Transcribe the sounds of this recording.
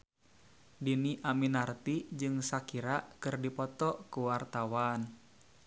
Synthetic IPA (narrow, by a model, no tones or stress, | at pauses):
diniʔaminart̪id͡ʒɨŋsakiɾaʔkɨrdipɔt̪ɔkuwart̪awan